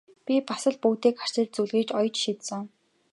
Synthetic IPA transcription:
pʲipasə̆ɮpuːt̪eːkχar̥t͡ɕɪ̆ːɮt͡suɮɣiːt͡ɕɔjt͡ɕʃit̪sɘ̆ŋ

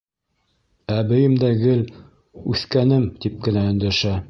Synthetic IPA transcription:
æbɘ̆jɘmd̪æɡɘl | ʉθkænɘmt̪ip̚kɘ̆næɵ̆nd̪æʃæ

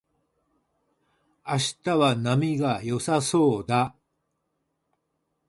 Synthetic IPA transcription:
aɕi̥t̪aβanamʲiɡajo̞saso̞ːd̪a

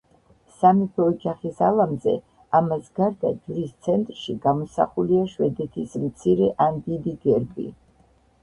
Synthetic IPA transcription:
samipʰɔːd͡ʒaχisalˠamzɛ̰ | amasɡaɾd̪ad͡ʒɾist̪sʰɛnt̪ʼɾʃiɡamɔsa̰χuliaʃwɛd̪ɛt̪ʰismt̪sʰiɾɛʔand̪id̪iɡɛɾbḭ

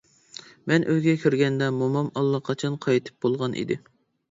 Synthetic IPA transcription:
mɛnʔøzɡʲɛkʲʰyɾɡʲɛnd̪ɛmomɑmɑlˠːɑqʰɑt͡ʃʰɑnqʰɑjt̪ʰɨ̥p̚bolˠʁɑnʔḭd̪ɪ

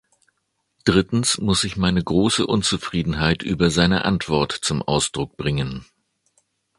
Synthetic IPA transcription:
d̥ʁɪtn̩smʊsɪçmaɪnəɡʁoːsəʔʊnt͡sufʁ̥iːdn̩ɦaɪtʔyːbɐzaɪnə̰ʔa̰ntv̥ɔɐtt͡sʊmʔa̰ʊsd̥ʁʊk̚b̥ʁɪŋən

